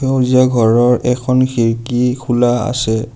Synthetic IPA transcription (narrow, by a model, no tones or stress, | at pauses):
ewziaɡʱɔɹɔɹʔɛkʰɔnxʰiɹkikʰulaa̰sɛ